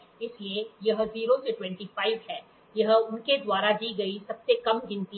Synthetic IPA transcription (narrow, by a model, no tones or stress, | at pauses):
ɪsliejɐɦziːɾõseʈwɛ̃ɳʈifaːɪʋɦɛː | jɐɦʊnked̪waːɾad͡ʒiːɡɐisɐbsekɐmd͡ʒɪ̃nt̪i